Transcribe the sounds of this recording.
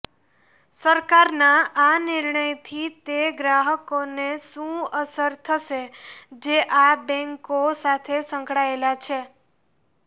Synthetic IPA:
səɾkaɾnaʔanɪɾɳəjt̪ʰit̪eɡɾaɦəkoneʃũəsəɾt̪ʰəʃed͡ʒeʔabɛ̃ŋkosat̪ʰesə̃ŋkɽaelat͡ʃʰe

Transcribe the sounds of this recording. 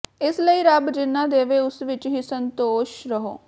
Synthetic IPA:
ɪsləiːɾəbd͡ʒɪnːãːd̪eːʋeːʊsʋɪt͡ʃɦiːsənt̪oːʃɾəɦo̰ː

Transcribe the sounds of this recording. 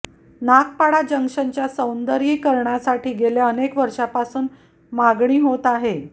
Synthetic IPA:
nak̚paɽad͡ʑəŋʂəɲt͡ɕjasəwnd̪əɾɦiːkəɾɳasaʈiːɡeljaənekʋəɾʂapasuːn | maɡɳiːɦot̪aɦe

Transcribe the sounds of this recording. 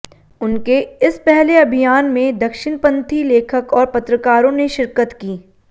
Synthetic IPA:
ʊnkeɪspɛɦleɐbʱijaːnmẽd̪ɐkʃɪnpɐ̃nt̪ʰileːkʰəkɔːɾpɐt̪ɾəkaːɾõneʃɪɾkət̪kiː

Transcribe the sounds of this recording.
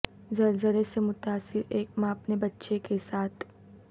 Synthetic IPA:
zɐlzəlesemʊt̪aːsɪɾeːk̚mãɐpnebɐtːʃekesaːt̪ʰ

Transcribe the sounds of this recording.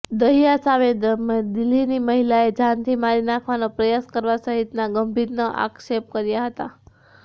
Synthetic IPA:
d̪əɦijasaʋemd̪ɪlːiniməɦilaed͡ʒãnt̪ʰimaɾinakʰʋanopɾəjaskəɾʋasəɦit̪naɡəmbʱiɾnoʔa̰kʃep̚kəɾjaɦət̪a

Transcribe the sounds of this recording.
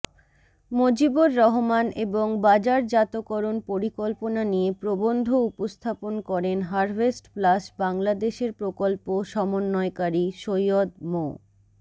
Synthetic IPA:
mod͡ʑiboɾːɔɦomanʔeboŋbad͡ʑaɾd͡ʑat̪okɔɾonpoɾikolponanijepɾobond̪ʱoupost̪ʰaponkɔɾenɦaɾvesʈplasbaŋlad̪eʃeɾpɾokolpoʃɔmonːɔekaɾiʃojod̪mo̰

